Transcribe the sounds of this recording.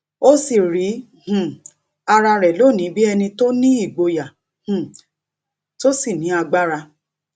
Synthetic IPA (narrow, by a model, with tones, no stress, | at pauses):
o˦si˦˨ɾi˨˦ | hũ˨ | a˧ɾa˧ɾɛ˨lo˦˨nĩ˨˦bi˦ɛ˧nĩ˧to˦nĩ˦i˦˨ɡ͡bo˧ja˨ | hũ˨ | to˦si˦˨nĩ˨˦a˧ɡ͡ba˦ɾa˧